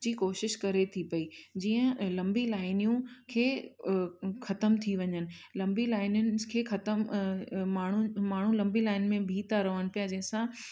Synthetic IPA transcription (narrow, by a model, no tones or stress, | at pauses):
d͡ʑiːkoːʃɪʃkɐɾet̪ʰipɐid͡ʑiːə̃lɐ̃mbilaːɪnijũkʰeː | xɐt̪əmt̪ʰiʋɐɲənɪ̆lɐ̃mbilaːɪnʊnɪ̆kʰeːxɐt̪əmmaːɳ̤umaːɳ̤ũlɐ̃mbilaːɪnmẽbʱiːt̪aɾɐʋəñ̆pijad͡ʑɐ̃ɦɪ̃sã